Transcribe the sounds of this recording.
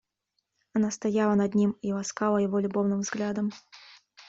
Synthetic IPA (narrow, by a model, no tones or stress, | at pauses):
anast̪ajalˠɐnad̪ʲnʲimivˠaskalˠɐjavɔlʲubɔwnɨmvzɣlʲad̪ɐm